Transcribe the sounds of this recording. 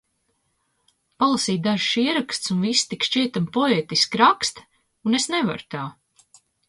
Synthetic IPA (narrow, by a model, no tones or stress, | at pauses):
palˠasiːt̪̚d̪aʒʃiɛɾakst̪sunvisːt̪ikʃt͡ʃiɛt̪ampɔeːt̪iskɾakst̪ | unesneva̰ɾt̪aː